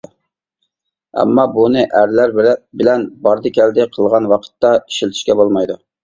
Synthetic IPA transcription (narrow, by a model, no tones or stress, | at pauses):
ɛ̰mːɑbunɨʔæɾlæɾbɪlɛnbɑɾd̪ɨkʲʰɛld̪ɪqʰəlˠʁɑnwɑqʰə̥t̪ːɑi̥ʃilt̪ʰy̥ʃkʲɛbolˠmɑjd̪u